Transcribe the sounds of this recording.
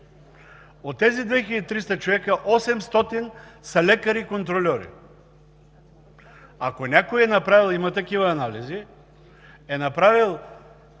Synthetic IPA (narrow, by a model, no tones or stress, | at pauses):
ot̪ːɛzid̪vɛxʲilɐd̪it̪ɾist̪ɐt͡ʃovɛkəʔɔsɛmst̪ɔt̪insɐlʲɛkɐɾikont̪ɾolʲɔɾḭ | akonʲakoiɛnapɾavilˠimɐt̪ɐkivɐːnalizi | ɛnapɾavilˠ